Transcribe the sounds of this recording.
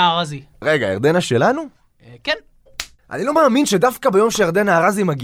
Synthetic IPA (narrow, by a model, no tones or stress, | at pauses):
aʁazi | ʁe̞ɡa̰ḛʁd̪e̞naʃe̞lanu | ken | ʔa̰nilo̞maːminʃe̞dafkabejo̞mʃejeʁd̪enaːʁazimaɡi